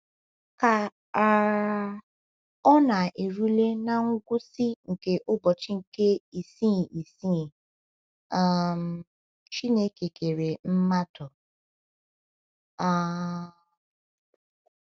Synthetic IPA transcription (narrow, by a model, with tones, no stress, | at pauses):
ka˨˦ | ɔ˦na˨ʔe˨ɾu˦le˦na˦ŋ̩˦ɡʷʊ˦si˦ŋ̩˨ke˦ʔʊ˦bɔ˨t͡ʃi˦ŋ̩˨ke˦i˨si˦˨i˨si˦˨ | a˦˨m̩˨ | t͡ʃi˦ne˦ke˨ke˨ɾe˨m̩˦ma˦tʊ˨ | a˦˨